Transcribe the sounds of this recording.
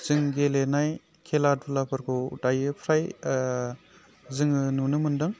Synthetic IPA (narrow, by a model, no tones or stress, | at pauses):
z̥ɯŋɡelenaj | kʰelad̚bɯlapʰɯɾkʰowdajɯpʰɾaj | zɯŋɯnunɯmɯndɯŋ